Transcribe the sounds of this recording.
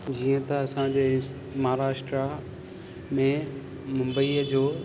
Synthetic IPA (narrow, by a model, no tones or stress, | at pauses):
d͡ʑiːə̃t̪ɐɐsãd͡ʑeː | maɦɾaːʃʈɾa | mẽ | mʊ̃mbəid͡ʑoː